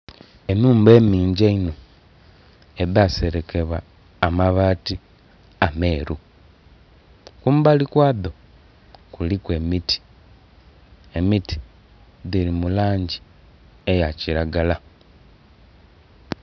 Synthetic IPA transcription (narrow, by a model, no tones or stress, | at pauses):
e̞muːmbe̞ːmiːɲɟeino̞ | eðase̞ɾe̞ke̞βwaː | maβaːti | ame̞ːɾu | kuːmbalikwaːðo | kulikwe̞ːmitʰi̥ | emitʰi̥ | ðiɾimulaːɲɟi | ejaciɾaɡala